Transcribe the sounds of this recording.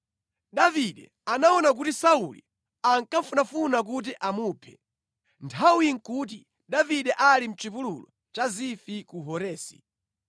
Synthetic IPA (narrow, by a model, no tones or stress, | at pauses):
ɗaviɗɛ̰ | anaɔnak̬utisaulḭ | aŋkaɱfunafunak̬ut̬iʔamuːpʰɛ̥ | ntʰawiŋkut̬i | ɗaviɗɛʔalim̩t͡ʃivululɔ̰ | t͡ʃazifikuɦɔɾɛːsi